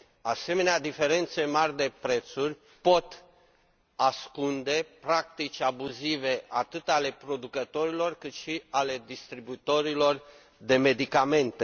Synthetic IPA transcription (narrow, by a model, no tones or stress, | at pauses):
ase̞me̞nead̪ife̞ɾe̞nt̪se̞marʲd̪e̞pɾe̞t̪surʲ | po̞t̪ | askund̪e̞pɾak̚t̪it͡ʃʲabuzive̞at̪ɨt̪ale̞pɾo̞d̪ukət̪o̞ɾilo̞rkɨt̪ʃiale̞d̪ist̪ɾibuit̪o̞ɾilo̞r | d̪e̞me̞d̪ikame̞nt̪e